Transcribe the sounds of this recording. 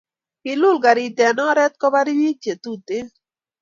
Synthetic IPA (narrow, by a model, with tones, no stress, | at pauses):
ki˨lʊ˦˨lɡa˨ɾi˨t̪ɛ˨nɔ˦ɾɛ˦t̪̚kɔ˦ba˦ɾi˦ji˦t͡ʃe˨t̪u˦˨t̪e˦